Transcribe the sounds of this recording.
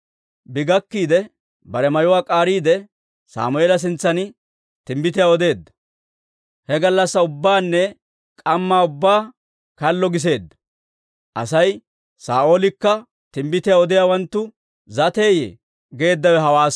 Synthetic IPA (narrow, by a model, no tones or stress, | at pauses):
bɪɡɐkːiːd̪ɛ | bɐɾɛmɐjʊwaːkʼaːɾiːd̪ɛ | sa̰ːmʊeːlɐs̬ɪnt͡sːɐnɪ | t̪ɪmbɪt̪̬ɪjaɔd̪e̞ːd̪ːɐ̥ | hɛɡɐlːɐsːɐʊbːaːnːɛ | kʼɐmːaːʊbːaː | kɐlːɔɡɪs̬e̞ːd̪ːɐ̥ | ʔɐsɐj | saːoːlɪkːɐ | t̪ɪmbɪt̪ɪjaːɔd̪ɪjaːwɐnt̪ːʊ | zɐt̪e̞ːjḛ | ɡe̞ːd̪ːɐwɛɦɐwaːs